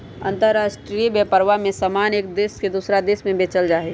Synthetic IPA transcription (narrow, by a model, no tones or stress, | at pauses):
ə̰̃nt̪əɾːaːsʈɾibəpəɾʋamẽsamaːneːkd̪eːsked̪uːsɾad̪eːsmẽbeːt͡ʃəld͡ʒaːɦe